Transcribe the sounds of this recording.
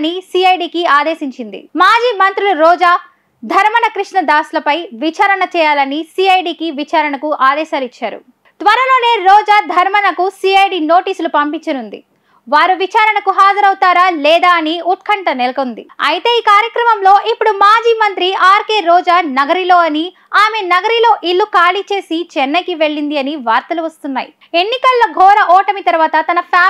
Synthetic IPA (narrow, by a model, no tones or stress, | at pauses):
nisiɐjɖiːkiaːd̪eːʃiɲt͡ʃind̪ḭmaːd͡ʒiːmɐnt̪ɾiluɾɔːd͡ʒaː | d̪ʱɐɾmɐnɐkɾiʂɳɐd̪aːsulɐpɐjʋit͡ʃaːɾɐɳɐt͡ʃɛːjaːlɐnisiːɐjɖiːkiʋit͡ʃaːɾɐɳɐkuʔaːd̪ɛːʃaːlit͡ʃːaːɾṵ | t̪ʋɐɾɐlo̞ːne̞ːɾɔːd͡ʒaːd̪ʱɐɾmɐnɐkusiːɐjɖiːno̞ːʈiːsulupɐmpiɲt͡ʃɐnund̪ḭ | ʋaːɾuʋit͡ʃaːɾɐɳɐkuɦaːd͡ʒɐɾɐwt̪aːɾaːlɛːd̪aːɐniuʈ̚kʰɐɳʈɐnelɐkond̪ḭɐ̰jit̪e̞ːiːkaːɾjɐkɾɐmɐmlo̞ːʔipːuɽumaːd͡ʒiːmɐnt̪ɾiʔaːɾke̞ːɾɔːd͡ʒaːnɐɡɐɾilo̞ːɐni | aːme̞nɐɡɐɾilo̞ːʔilːukaːlit͡ʃe̞ːsit͡ʃɛnːɐkiʋe̞ɭːind̪iɐniʋaːɾt̪ɐluʋɐst̪unːa̰ːjḭ | e̞nːikɐlːoɡʱɔːɾɐʔɔːʈɐmit̪ɐɾʋaːt̪ɐt̪ɐnɐpʰaː